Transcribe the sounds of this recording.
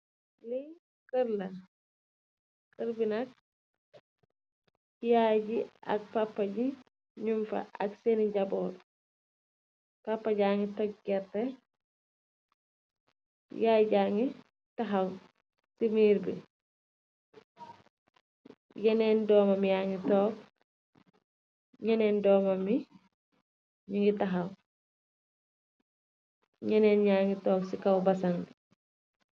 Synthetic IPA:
li | kəɾlɐ | kəɾbinɐk̚ | jaɟiʔɐ̰k̚papːɐɟi | ɲumfɐ̰ʔɐkseniɟɐbɔːd | papːaɟaːŋitɔk̚ɡɛrtɛ | jaːɟaŋi | tɐɦɐw | simiːɾbḭ | jɛnɛːndɔːmɐmijaːŋitɔːk | ɲɛnɛndɔːmɐmi | ɲiŋɡitɐɦɐw | ɲɛnɛːnɲaːŋɡitɔːksikɐwbɐsɐŋ

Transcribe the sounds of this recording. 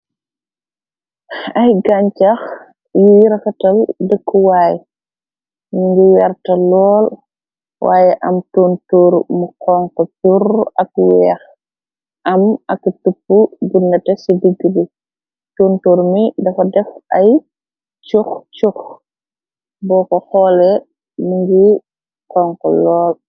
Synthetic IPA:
ɐjɡaɲt͡ʃax | jijiɾɐxɐtɐldəkːuwaːjɛ | ɲiŋɡiwɛrtɐlɔːl | wʔa̰ːjɛʔɐ̰mtoːntoːɾmuqɔːŋkɔpurɐkwɛːx | ʔɐmɐktupːubunːɐtɛsidəɡːibi | toːntoːɾmidɐfɐdɛfʔaj | t͡ʃuxt͡ʃux | bɔːkɔxɔlɛ | miŋɡi | qɔŋkɔ̰lɔːl

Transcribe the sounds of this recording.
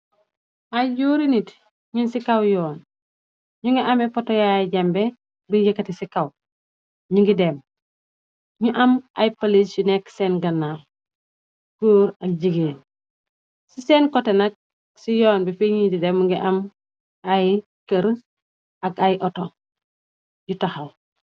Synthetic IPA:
ajɟuːɾinit | ɲinsikawjɔːn | ɲuŋɡiʔamefotojajiɟɐmbe | biɲɟikɐtisikaw | ɲuŋɡidem | ɲuʔɐmʔa̰jpalisinɛkseːnɡɐnːal | koːɾɐk̚ɟiɡeːn | sisɛnkɔtenɐk̚ | sijɔːnbifiɲitidɛmːuŋɡiʔɐm | aj | kɐɾ | ɐkajʔɔto | jutahɐw

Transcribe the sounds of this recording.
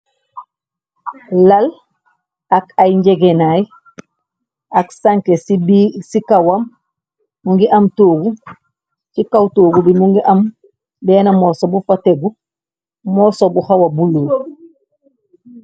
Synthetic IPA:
lal | akajɲɟeɡenaj | aksaŋkesibisikawamː | uŋɡiʔamtoːɡu | t͡ʃikawtoːɡubimuŋɡiʔam | bɛːnamɔsobufateɡu | mɔːsobuhawabuluː

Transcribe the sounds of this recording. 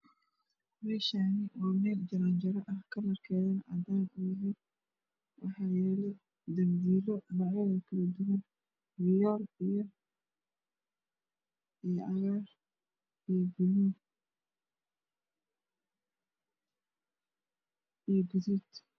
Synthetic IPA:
mɛːʃaːnɪwɑːmɛːld͡ʒɐɾand͡ʒɐɾɐʔɐhkʰɐnɐrkʰɛːðɐnɐʔɐd̪aːnʊjɪɦɛn | wɑħɑːjɛːlɔ | d̪ɐmbiːlɔnɑʕɔɣɐkʰɐlɐd̪ʊwɐn | wɪjɔːlijɔ | ijʔɐɣar | ijɡʊ | ijɡʊðud̪

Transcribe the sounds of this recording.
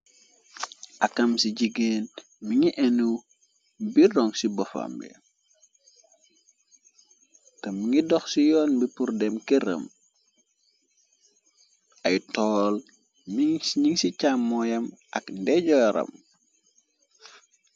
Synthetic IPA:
ʔɐkːɐmsiɟiɡen | miŋiʔɛnu | birɔŋsibɔfɐ̰mbɛ̰ | tɐmiŋidɔxsijɔːnbipurdɛmkɛɾə̰m | ɐjtɔːl | miɲiŋsicamːɔjɐmʔɐkndɛɟɔjɾɐ̰m

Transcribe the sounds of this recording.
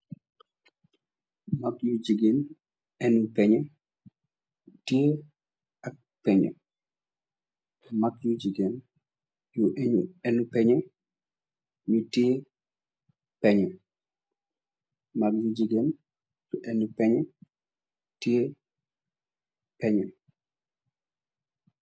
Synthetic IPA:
makjud͡ʒiɡen | ɛnupɛɲɛ | tje | ak̚pɛɲɛ̰ | makjud͡ʒiɡen | juɛɛnupɛɲɛ | ɲute | pɛɲɔ | mak̚jud͡ʒiɡen | juʔɛnupɛɲɛ | tie | pɛɲɛ

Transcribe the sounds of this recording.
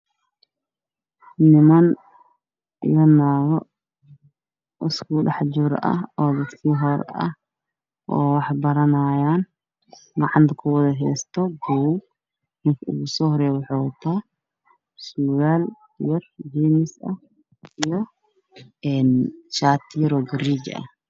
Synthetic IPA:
nɪmɐn | ɪ̰jɐnaːɣɔ | ʔɪskʰʊɖɑħd͡ʒʊɾɐ̰ɔːlɐsiːɦɔɾɐ̰h | ʔɔːwɑħbɐɾɐnaːjaːn | ɡɑʕɑnt̪ʰɐkʰʊwɐðɐɦɛːst̪ʰɔɡɔw | nɪŋkʰɐʊ̰ɣusɔːhɔɾɛjwɑħoːʊt̪ʰaː | suːɣaːl | jɐrd͡ʒinɪsɐ | ʔijɔ | ɛːnʃaːt̪ʰiɾɔːɡɐriːɡɐ̰h

